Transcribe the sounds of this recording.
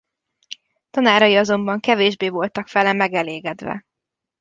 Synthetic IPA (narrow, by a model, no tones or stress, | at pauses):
t̪ɒnaːɾɒjiɒzo̞mbɒŋkɛveːʒbeːvo̞lt̪ɒkfɛlɛmɛɡɛleːɡɛd̪ʋɛ̰